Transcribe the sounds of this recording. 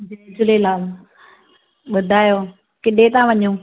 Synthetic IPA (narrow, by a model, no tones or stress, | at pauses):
d͡ʑed͡ʑʊlelaːl | ɓʊd̪ʱaːjoː | kɪɗet̪ãʋɐɲũː